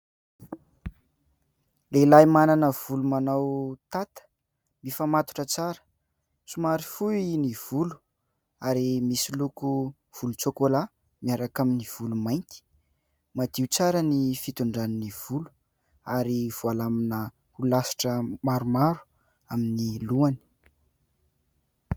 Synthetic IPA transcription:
lelajmananəv̥ulumanawt̪at̪ə̥ | mifamat̪u̥ʈ͡ʂət͡saɾə̥ | t͡sumaɾifuiniv̥ulu̥ | aɾimisiluku | v̥ulut͡sokola | miaɾakaminiv̥ulumajŋk̪i̥ | mad̪̥iut͡saɾənifit̪uɳɖ͡ʐaniniv̥ulu̥ | aɾiv̥ualaminə | hulasi̥ʈ͡ʂəmaɾumaɾu̥ | aminiluani̥

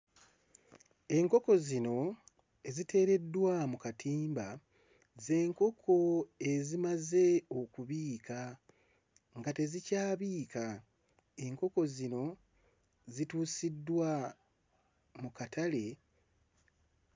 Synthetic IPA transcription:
e̞ŋko̞ko̞zino̞ | e̞zite̞ːɾe̞dːwamukatʰiːmba | ze̞ːŋko̞kʰo̞e̞zimaze̞o̞kuβiːka | ŋɡate̞zicaːβiːka | e̞ŋko̞ko̞zino̞ | zituːsidːwa | mukatʰale̞

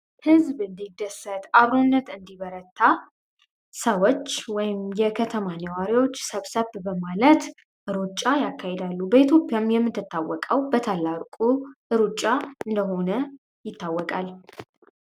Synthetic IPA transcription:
hɨzbɨnd̪id̪əsət̪ʰaβɾonːət̪ɨnd̪iβəɾət̪ʰːa | səwot͡ʃːwɔjɪmjɛkʰət̪ʰəmanəwaɾiwo̞t͡ʃːsəβsəβbəmalət̪ | ʔɨɾut͡ʃʼːajakːahed̪alːubəit̪ʰjo̞pʼjamjɛmːɨt̪ːɨt̪ːawːɔkʼəwbət̪ʰalːaɾkʼuʔɨɾut͡ʃʼːaɨnd̪əɦo̞nə | jɪt̪ʰːawːɔkʼal

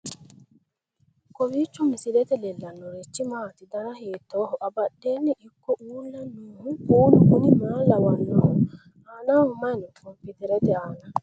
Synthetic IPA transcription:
kɔwit͡ʃːumisilɛt̪ɛlɛlːanːɔɾet͡ʃːimaːt̪id̪anahiːt̪ːɔːɦɔʔabaɗːenːiʔikːɔʔuːlːanːuːhukuːlukunimaːlawanːɔhɔ | anahɔmanɔkɔmpit̪ɛɾɛt̪ɛana

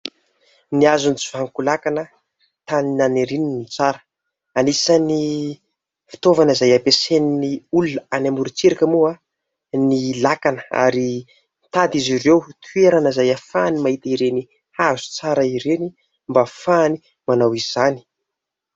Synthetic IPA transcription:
niazunt͡si̥vaŋkulakanə | t̪aninaneɾininit͡saɾə̥ | anisəni | fi̥t̪ovanəizajapeseniniulunəanamuɾut͡seɾakamua | nilakanə̥a̰ɾi | nt̪ad̪izirewt̪ʰueɾanazajafanimaɦit̪iɾeni | hazu̥t͡saɾəiɾeni | mbafani | manawiz̥ani̥

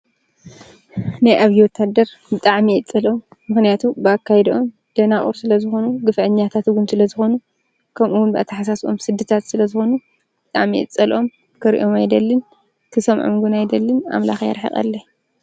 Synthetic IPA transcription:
najʔaβjiwɔt̪ʰad̪ɐɾ | bɨt̪ʼaʕmiɨt͡sʼɐlomːɨxnijat̪ʰubɨakːajɛd̪ʔom | d̪̥ɐnaχʼṵɾsɨlɐzɨxo̞nuɡɨfʕɨɲːat̪ʰat̪ɡunsɨlɐzɨxo̞nu | kʰɐmʔuwʊnbɨʔa̰t̪ʰːɐħasaso̞̰msɨd̪ːɨt̪ʰat̪sɨlɐzɨxo̞nu | b̥ɨt̪ʼaʕmiʔɨ̰t͡sʼːɐlʔo̞m | kʰɨɾḭʔomajd̪ɐlːɨn | kʰɨsɐmʕɨ̰mɡunajd̪ɐlːɨna̰mla̰xja̰ɾħḭxʼɐ̰lːɐ

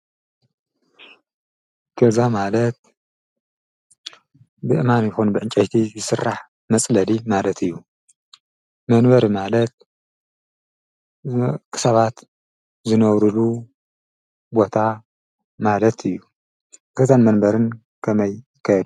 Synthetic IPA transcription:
kʰezamalɐt̪̚ | bɨʔɨmanjɪxunbɨʕɨnt͡ʃʼɐjt̪ʰizɨsɨrːaħ | mɐt͡sʼlɐlimalɐt̪ʰɨjːu | mɐnbɐɾmalɐt̪̚ | kʰɨ̥sɐβat̪ | zɨnɐβɾɨlu | bo̞t̪ʰa | malɐt̪ʰɨjːu | kʰɨzanmɐnbɐɾɨn | kʰɐmɐj | kʰɐjd̪

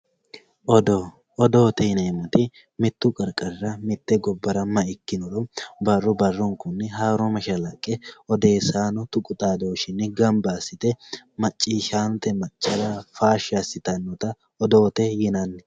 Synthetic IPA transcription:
ɔd̪o | ɔd̪oːt̪ɛɪnɐmɐt̪ɪ | mɪt̪ːʊkʼɐɾkʼɐɾɾɐmɪt̪ːɛɡɔbːɐɾɐmːɐɪkːɪnɔlɔbɐrːʊbɐrːɔŋkʊnːɛɦaːɾɔmɐʃɐlɐkʼːɛɔd̪e̞ːsaːnɔt̪ʊkʼʊt̪ʼaːd̪oːʃɪnːɛɡɐmbaːsɪt̪ɛmɐt͡ʃʼːiːʃaːnt̪ɛmɐt͡ʃʼːɐɾɐfaːʃɪɐsɪt̪ɐnːɔt̪ɐ | ɔd̪oːt̪ɛjɪnɐnːɛ

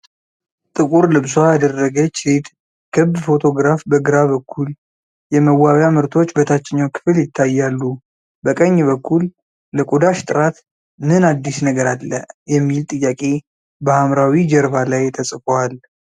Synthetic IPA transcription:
t̪ʼɨkʼuɾlɨbswajad̪ərːəɡət͡ʃːɾet̪ | kʰɨβd̪fo̞t̪ʰo̞ɡɾafbəɡɨɾaβəkʰːul | jɛməwːawjamɨɾt̪ʰo̞t͡ʃːbət̪ʰat͡ʃːɪɲːawkʰɨ̥fɨljɪt̪ʰːajːalːu | bəkʼəɲːβəkːulː | əkʼod̪aʃt̪ʼɨɾat̪ | nɨnad̪ːisnəɡəɾalːə̰jɛmːilt̪ʼɨjːakʼe̞ | bəhamɾawid͡ʒəɾbalajt̪ʰəsʼɨfoal

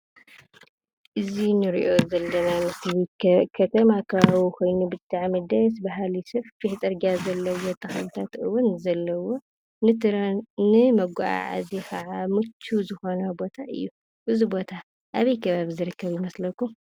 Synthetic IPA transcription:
ʔɨzinɨɾiʔo̞zɐlːɐnamɨslikʰɐt̪ʰɐmakʰɐβaβikʰo̞jnubɨt̪ʼːaʕmɐd̪ɐsbaɦalisɨfkit͡sʼɐɾɡazɐlːɐwo̞t̪ʰʼɐxɐnt̪ʰat̪ʔɨwːunzɐlːɐwo̞ | nɨt̪ʰɨɾnɨmɐɡʷaʔa̰ʕa̰zexɐʕamɨt͡ʃʰːuzɨxo̞nɐbo̞t̪ʰaʔɨ̰jːu | ʔɨzubo̞t̪ʰa | ʔaβijkʰɐβaβizɨɾɨkːɐβimɐslɐkːum

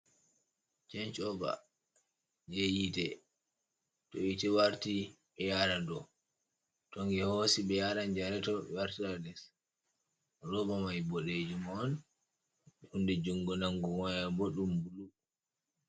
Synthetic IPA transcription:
t͡ʃɛɲt͡ʃɔba̰ | d͡ʒejitɛ | toitɛwaɾti | ɓɛjaɾadɔ | tɔŋɡɛhosiɓɛjaɾand͡ʒaɾɛtɔwaɾtiɾadɛs | ɾɔbamajbɔɗed͡ʒumɔn | ɛundɛd͡ʒuŋɡɔnaŋɡɔwajaboɗumbulu

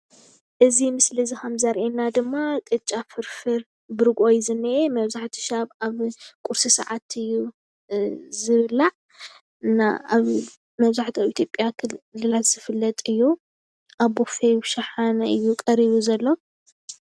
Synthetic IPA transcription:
ʔɨzimɨslizixamzɐɾʔenad̪ɨmːakʼɨt͡ʃʼafɨɾfɨɾ | bɨɾɨɡʔojzɨnːɨʔemɐβzaħt̪ʰi̥ʃaβaβkʼuɾsisa̰ʕat̪ɨjːu | zɨβɨlaʕ | ɨnːa̰aβ | mɐβzaħt̪ʰiaβit̪ʰjo̞pʼjakʰlːɨlat̪z̥ɨfɨlːɐt̪ʼɨjːu | ʔaβbofeʃɐħanɐʔɨjːukʼɐɾiβuzɐlːo

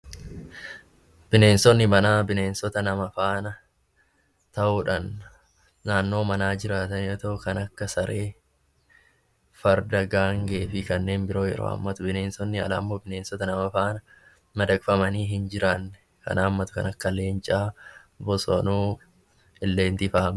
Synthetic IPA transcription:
b̥ɪne̞ːnsɔnːɪmɐnaːbɪneːnsɔt̪ɐnɐmɐfaːnɐ | t̪ɐʔuːᶑɐnː | aːnːo̞ːmɐnaːd͡ʒɪɾaːt̪ɐnot̪ɐʔʊkɐnɐkːɐsɐɾʔe̞ː | fɐɾd̪ɐɡaːŋɡeːfɪkɐnːe̞ːnbɪɾo̞ːjɛ̰ɾo̰ːɐ̰mːɐt̪ʊbɪne̞ːnsɔnːɪɐ̰lɐːmːoːbɪneːnsɔt̪ɐnɐmɐfaːnɐ | mɐd̪ɐkʼfɐmɐniːɦɪnd͡ʒɪɾɐnːɛ | kɐ̰naːmːɐt̪ʊ̥kɐ̰nɐkːɐle̞ːnt͡ʃʼaː | bɔso̰nuː | ɪlːe̞ːnt̪ɪfaːm

